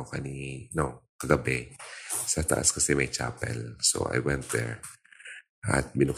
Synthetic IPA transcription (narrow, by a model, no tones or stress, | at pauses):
kɐninokɐɡɐbɛsɐt̪ɐʔa̰skɐsɛmɐjt͡ʃa̰ːpɛ̰lso̰wʔa̰jwɛ̃nt̪̚d̪ɛɹ | ʔɐ̰t̪̚bɪnʊk